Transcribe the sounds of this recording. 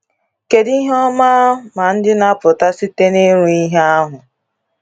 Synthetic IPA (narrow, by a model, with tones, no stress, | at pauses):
ke˨di˦ɦɔ˦ma˦ma˨n̩˦dɪ˦na˦pʊ˨ta˦si˦te˦ne˦ɾu˦i˦ɦe˦a˦ɦʊ˨